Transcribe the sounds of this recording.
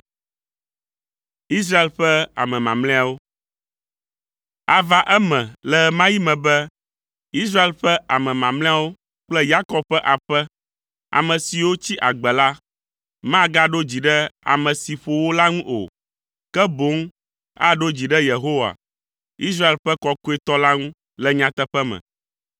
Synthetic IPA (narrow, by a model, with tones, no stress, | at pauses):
i˦s̬ɾa˦e˨lɸɛ˦a̰˨mɛ̃˨mã̰˨mlɛ̃˦a˨wo˦ | a˨va˨ʔɛ˦mɛ̃˨lɛ˨mã˦ji˦mɛ̃˨bɛ˦ | i˦s̬ɾa˦e˨lɸɛ˦ʔa˨mɛ̃˨mã˨mlɛ̃˦a˦wo˦ | k͡plɛ˦ja˦kɔ˦b̚ɸɛ˦ʔa˨ɸɛ˦ | a̰˨mɛ̃˨si˨wo˦t͡ɕi˦ʔa˨ɡ͡bɛ˨la˦ | mã˦ɡa˦ɖo˦d͡ʑi˨ɖɛ˦a̰˨mɛ̃˨si˨ɸo˨wo˦la˦ŋũ˦ʔo̰˨ | kɛ˦bo˦ŋ | a̰˦ɖo˦d͡ʑi˨ɖɛ˦je˨ɦo˦wa̰˨ | i˦s̬ɾa˦e˨lɸɛ˦kɔ˦ku˦e˦t̪ɔ˦la˦ŋũ˦ | lɛ˦ɲã˦t̪ɛ˦ɸɛ˦mɛ̰̃˨